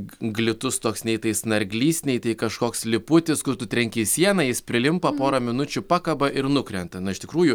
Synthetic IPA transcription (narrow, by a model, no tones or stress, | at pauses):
ɡlʲɪt̪ʊst̪oɔksnʲɛɪt̪ɐɪsnɐɾʲɡʲlʲiːsʲnʲɛɪt̪ɐɪkɐʃkoːkslʲɪpʊt̪ʲɪskʊrt̪ʊt̪ʲɾʲɛŋʲkʲiːsʲiɛnɐjɪspʲɾʲɪlʲɪmpɐpoːɾɐmʲɪnʊt͡ʃʲʊpɑːkɐbɐʔɪɾnʊkɾʲɛnt̪ɐnʊɪʃt̪ʲɪkɾuːjʊ